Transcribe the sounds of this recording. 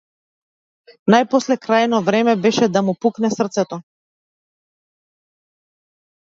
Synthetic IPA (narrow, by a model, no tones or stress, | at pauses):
najpɔslɛkɾajnɔvɾɛmɛbɛʃɛd̪amupuknɛsr̩t̪sɛt̪ɔ